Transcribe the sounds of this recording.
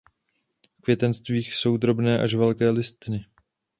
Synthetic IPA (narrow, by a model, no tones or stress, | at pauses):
fkvʲjɛt̪ɛnst̪viːxso̞wd̪ɾo̞bnɛːʔaʃvɛlkɛːlɪst̪ɪnɪ